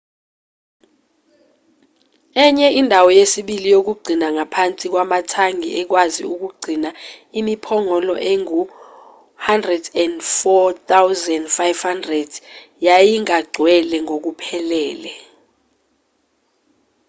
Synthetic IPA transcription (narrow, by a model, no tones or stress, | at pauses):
ɛɲɛindʱawɔjesiɓilijok̬uɡ͡ǀʱinaŋapʰant͡sʼik̬wamatʰaŋḭʔɛk̬wazḭuk̬uɡ͡ǀʱinaimipʰɔŋɔlɔ̰ʔeŋu | handrɛdɛndfɔt̪awzɛndfajvhandrɛd | jajiŋaɡ͡ǀʱwɛlɛŋok̬upʰɛlɛːlɛ